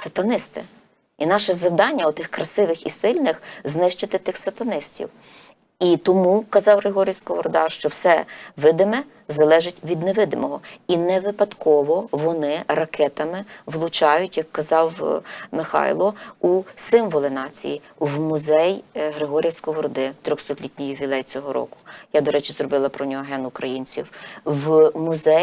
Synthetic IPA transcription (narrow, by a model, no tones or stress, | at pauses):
sɐt̪ɐnɪst̪ɪ̰ | inɑʃɛzɐwd̪ɑnʲːɐʊt̪ɪxkɾɐsɪʋɪxḭsɪlʲnɪxznɪʃt͡ʃɪt̪ɪt̪ɪxsɐt̪ɐnɪstʲḭw | it̪ɔmukɐzɑwɦɾɪɦɔɾʲijsʲkɔʋɔɾʊd̪ɑ̰rʃt͡ʃɔwsɛʋɪd̪ɪmɛ | zɐlˠɛʒɪtʲʋʲid̪neʋɪd̪ɪmɔɦɔinɛʋɪpɐd̪kʰɔʋɔʋɔnɪrɐkʰɛt̪ɐmɪʋlˠʊt͡ʃɑjʊtʲjɐkːɐzɑwmɪxɑ̰jlˠɔusɪmʋɔlˠɪnɑt͡sʲḭji | wmʊzɛjɦɾɪɦɔɾʲijasʲkɔʋɔɾɔd̪ɪt̪ɾʲɔxst̪ɔk̪lʲitʲnʲijʊʋʲilˠɛjt͡sʲɔɦɔɾɔ̰kʊ̥jad̪ɔɾɛt͡ʃɪzrɔbɪlˠɐpɾɔnʲɔɦɔɦɛnʊkɾɐjinʲt͡sʲḭwwmʊzɛ